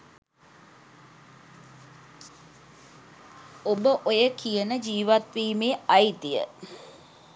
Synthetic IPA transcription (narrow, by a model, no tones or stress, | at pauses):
obəʔojəkʰijənəd͡ʒiːʋat̪ʋiːmeːɐit̪ijə̰